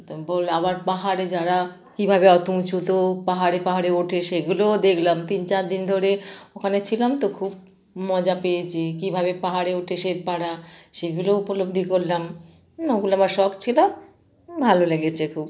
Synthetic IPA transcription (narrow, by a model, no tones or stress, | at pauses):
t̪obolabaɾpaɦaɾed͡ʑaɾa | kibʱabeɔt̪ũt͡ɕut̪opaɦaɾepaɦaɾeoʈʰeʃeɡulod̪ekʰlamt̪int͡ɕaɾd̪ind̪ʱoɾeokʰanet͡ɕʰilamt̪okʰub | mɔd͡ʑapejet͡ɕʰekibʱaβepaɦaɾeoʈʰeʃeɾpaɽaʃeɡuloupolob̚d̪ʱikoɾlam | oɡuloamaɾʃɔkt͡ɕʰila | bʱaloleɡet͡ɕʰekʰub